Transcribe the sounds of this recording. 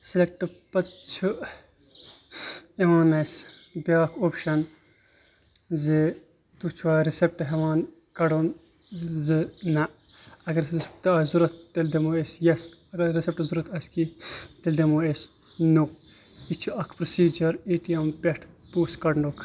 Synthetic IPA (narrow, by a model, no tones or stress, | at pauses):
selek̚ʈɨpɐt̪t͡ʃʰu | eʋaːnɐsbjaːkʰoːpʃɐn | ze | t̪ut͡ʃʰʋaːɾisep̚ʈɦeʋaːn | kɐɽon | zɨnɐ | ɐɡɐɾt̪ɐːzuɾɐt̪̚ːeld̪emoːesjɐsɐɾisep̚ʈzuɾɐt̪ɐskit̪eld̪emoːes | nok | it͡ʃʰuɐkʰpɾosiːd͡ʒɐɾeːʈiɐmpeʈʰpuːskɐɖɳɖokʰ